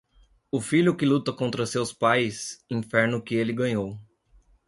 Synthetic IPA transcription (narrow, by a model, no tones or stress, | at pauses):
ʊfiʎʊkɪlut̪ɐkõnt̪ɾɐsewspajsĩfɛɾnʊkɪelɪɡɐ̃ɲow